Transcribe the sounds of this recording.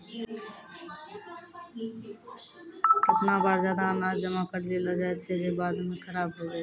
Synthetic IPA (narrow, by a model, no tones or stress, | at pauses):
kɪt̪nabaːɾzjaːd̪aənaːd͡ʒd͡ʒəmakəɾleləd͡ʒaet͡ʃʰed͡ʒebaːd̪mẽxəɾaːbɦoːɡəeː